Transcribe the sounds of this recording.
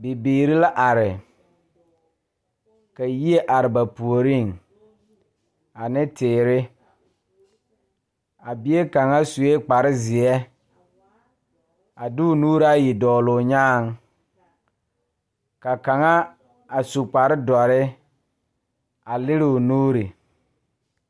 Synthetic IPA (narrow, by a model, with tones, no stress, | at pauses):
bɪ˨biː˨ɾɪ˦la˦ʔa˨ɾɪ˨ | ka˨ji˦e˦ʔa˨ɾɪ˨ba˨pu˨o˨ɾi˦˨ŋ | a˨nɪ˦tɪː˨ɾɪ˦ | a˨bi˨e˦ka˨ŋa˦su˨e˦k͡pa˨ɾɪ˦zɪ˨ɛ˦ | a˨dʊ˦ʊ˨nuː˦ɾa˦ji˨dɔː˨lʊ˨ɲaː˦ŋ | ka˨ka˨ŋa˦ | a˨su˨k͡pa˨ɾɪ˦dɔ˨ɾɪ˦ | a˨lɪ˦ɾɪ˨ʊ˨nuː˦ɾi˨